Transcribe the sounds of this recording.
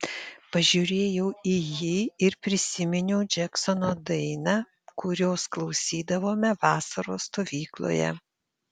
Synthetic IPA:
pɐʒʲʊɾʲeːjɛʊijiːɪɾpʲɾʲɪsʲɪmʲɪnʲɛʊd͡ʒʲɛksɔnoːd̪ɐɪnɑ | kʊɾʲoːsklˠɒʊsʲiːd̪ɐʋoːmʲɛʋɑːsɐɾoːst̪oːʋʲiːklˠo̰ːjɛ̰

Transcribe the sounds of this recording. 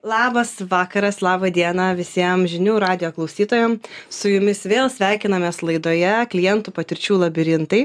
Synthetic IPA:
lˠɑːbɐsʋɑːkɐɾɐslˠɑːbɐd̪ʲiɛnɐʋʲɪsʲiɛmʒʲɪnʲuːɾɑːd̪ʲɪjoːklˠɐʊsʲiːt̪oːjɛmsʊjʊmʲɪsʋʲeːlˠsʲʋʲæˑɪkʲɪnɐmʲeːslˠɐɪd̪oːjɛklʲɪjɛnt̪upɐt̪ʲɪɾʲt͡ʃʲuːlˠɐbʲɪɾʲɪnt̪ɐɪ

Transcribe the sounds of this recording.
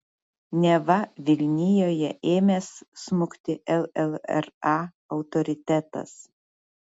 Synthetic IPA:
nʲɛʋɐʋʲɪlʲnʲɪjoːjɛʔeːmʲeːssmʊkt̪ʲɪɛlˠɛlˠɛ̰ɾɑ | ɒʊt̪ɔɾʲɪt̪ʲæt̪ɐ̰s

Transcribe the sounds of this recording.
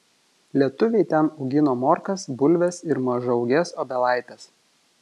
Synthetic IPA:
lʲiɛt̪ʊʋʲɛɪt̪ʲɛnɐʊɡʲɪnoːmoːɾkɐsbʊlʲʋʲɛsɪɾmɐʒɐʊɡʲɛsoːbʲɛlˠɑˑɪt̪ʲɛs

